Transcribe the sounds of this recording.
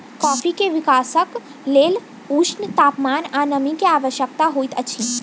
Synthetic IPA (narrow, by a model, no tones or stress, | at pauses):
kɔːfikeʋɪkaːsək | leːl | uːt͡ʃnt̪aːpmaːnanəmikeaːʋəʃjəkt̪aɦoːit̪ət͡ʃʰi